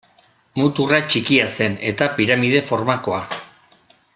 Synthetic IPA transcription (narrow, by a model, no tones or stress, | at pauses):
mut̪urat͡ʃikiase̞ne̞t̪apiɾamið̞e̞fo̞ɾmako̞a